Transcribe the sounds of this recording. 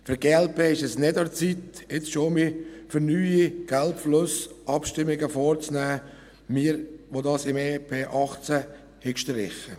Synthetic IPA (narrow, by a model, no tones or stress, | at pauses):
fyɾɡeːɛlpʰeːɪʃɛsnɪdɑt͡sit̪ɪt͡sʃoːmifəɾnyːiɡ̥ælpflʊsʔɑpʃtɪmːɪɡəfɔːɾt͡snæː | miːɾʋodɑːsɪmeːpʰeːʔɑχt͡sæ | hɪkʃtəɾɪ̰χə